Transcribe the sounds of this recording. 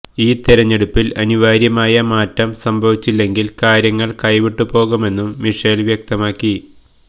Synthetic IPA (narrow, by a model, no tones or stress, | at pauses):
iːt̪iɾɐɲːe̞ɽupːilɐniʋaːɾjɐmaːjɐmaːtːɐmsɐmbʱɐʋit͡ɕːilːe̞ŋɡilkaːɾjɐŋːɐɭkɐjʋiʈːupo̞ːɣume̞nːumːiʂelʋjɐk̚t̪ɐmaːkːi